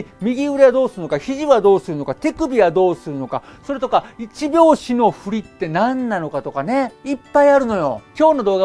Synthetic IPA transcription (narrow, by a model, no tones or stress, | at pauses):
mʲiɡʲiɯ̟ɾead̪o̞ːsɨɾɯ̟no̞kaçiʑiβad̪o̞ːsɨɾɯ̟no̞kat̪e̞kɯ̟bʲiβad̪o̞ːsɨɾɯ̟no̞kaso̞ɾe̞t̪o̞kait͡ɕibʲo̞ːɕino̞ɸɯ̟ɾʲit̪ːe̞nãnːano̞kat̪o̞kane̞ipːaiaɾɯ̟no̞jo̞̰kʲo̞ːno̞d̪o̞ːɡa